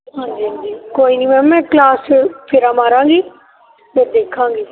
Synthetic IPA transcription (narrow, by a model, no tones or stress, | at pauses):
ɦãːɲd͡ʒiːɦãɲd͡ʒiːkoːiːnĩːmɛ̃ːmɛ̃ːklaːspʰɪɾãːmaːɾãːŋɡiː | mɛ̃ːd̪eːkʰːãːŋɡiː